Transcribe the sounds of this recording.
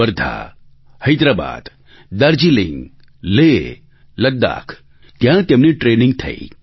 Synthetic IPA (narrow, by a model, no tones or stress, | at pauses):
əɾd̪ʱa̰ | hɐjd̪ɾaba̰ːd̪ | d̪ɐɾd͡ʒilḭ̃ŋɡ | le | lɐd̪ːa̰ːkʰ | t̪jãt̪emniʈɾeːniŋɡ̚t̪ʰɐ̰i